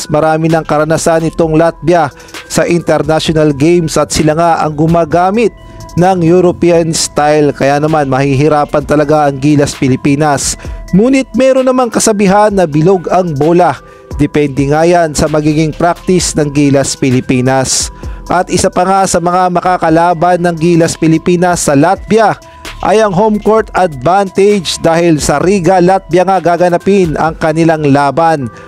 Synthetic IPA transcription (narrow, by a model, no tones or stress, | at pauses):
smɐɾaːmɪnɐŋkɐɾɐnɐsanɪt̪o̞ŋlat̪̚bjɐ | sɐʔɪnt̪ɛɾnaʃonɐlɡejmsɐt̪̚sɪlaŋaʔɐ̰ŋɡʊmaːɡaːmɪt̪̚ | nɐŋjuɾopiɐnst̪ajlkɐjanɐmanmɐhiɦɪɾaːpɐnt̪ɐlɐɡaʔɐŋɡiːlɐspɪlɪpiːnɐsmuːnɪt̪̚mɛːɾo̞nːɐmaŋkɐsɐbiɦanːɐbɪloɡɐŋboːlɐ | d̪ɛpɛnd̪ɛŋaːjansɐmɐɡiːɡɪŋpɾak̚t̪ɪsnɐŋɡiːlɐspɪlɪpiːnɐsʔɐt̪ʔɪsapɐŋasɐmɐŋamɐkakɐlaːbanːɐŋɡiːlɐspɪlɪpiːnɐsːɐlat̪̚bjɐ | ʔɐ̰jɐŋɦomkoɹt̪ɐd̪̚vant̪ɛd͡ʒd̪aːhɪlsɐɾiːɡɐlat̪̚bjɐŋaɡaːɡɐnɐpɪnɐ̰ŋkɐnɪlaŋlaːban